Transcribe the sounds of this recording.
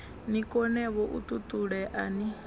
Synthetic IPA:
nikʼɔnɛβɔʔṵt̪ʼut̪ʼuɺɛʔani

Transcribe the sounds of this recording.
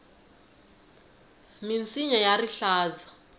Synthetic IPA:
mint͡sʼiɲajariɬaːza

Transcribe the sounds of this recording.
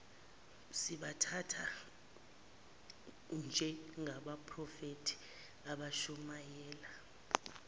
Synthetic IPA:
siɓatʰatʰa | nd͡ʒʱɛŋʱaɓapʼʰrɔfetʰi̥ | aɓaʃumajɛːla

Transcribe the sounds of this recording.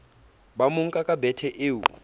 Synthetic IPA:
bamuŋ̩kʼakʼabɛtʰɛʔeːwu

